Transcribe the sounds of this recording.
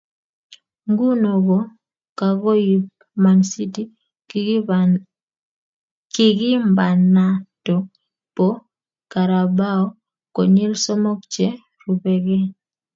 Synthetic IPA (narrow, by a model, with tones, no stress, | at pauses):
ŋɡu˦no˨ɡo˨ | ka˨ɡo˦ji˨p̚ | ma˨nsi˦ti˦ | ki˦ɡɪ˦mba˨na˨tɔ˨ | po˦ | ka˨ɾa˨ba˦ɔ˦ | ko˨ɲi˦lsɔ˦mɔ˦k̚t͡ʃɛ˦ | ɾu˨pɛ˨ɡɛ˦